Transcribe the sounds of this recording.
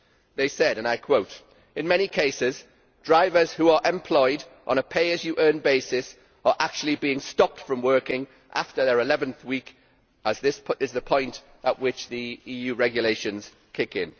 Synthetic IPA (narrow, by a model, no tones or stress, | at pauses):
ðeɪsɛɾə̃naɪkʰw̥oʊt | ɪ̃nmɛñikʰeɪsɪz | dɹaɪvəz̥huəɹʔɛ̃mpʰl̥ɔɪdʔə̃n̩əpʰeɪəzjəʔɜ̃ːnbeɪsɪs | ə˞ʔak̚t͡ʃul̩ˠibiɪ̃ŋstɒp̚tfɹə̃mwɜˑ˞kɪ̃ŋ | ʔa̰ftəðəɹɪlɛvə̃nθwiˑk | əzðɪsɪzðəpʰɔ̃ɪ̃nt | əʔwɪt͡ʃðiiːjʉːɹɛɡjəleɪʃə̃nz̥ | kʰɪkɪ̃n